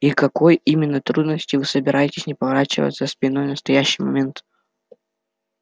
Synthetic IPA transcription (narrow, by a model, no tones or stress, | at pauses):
ikɐko̞jimʲɪnːət̪ɾud̪nəsʲtʲɪvɨsəbʲɪɾʔajɪtʲɪsʲnʲɪpəvɐɾat͡ɕɪ̰və̰t̪səspʲɪno̞jnəst̪ɐjæɕːɪjmɐmʲe̞nt̪